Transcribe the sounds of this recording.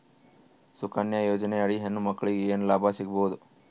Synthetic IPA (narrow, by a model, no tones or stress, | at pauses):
sukɐnjɐjoːd͡ʒɐneɐɽiɦenːumɐkːɐɭiɡeeːnulaːbʱasiɡɐboud̪u